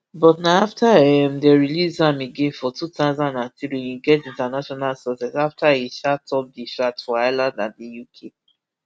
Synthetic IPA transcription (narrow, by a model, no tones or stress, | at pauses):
bɔtnaaftaɛmdeɹilizãmeɡẽnfɔtutazãnãtiɹĩniɡɛtĩntanaʃɔnalsɔsɛsaftahiʃatʰɔp̚diʃatfɔaɪlãndnãndijukʰe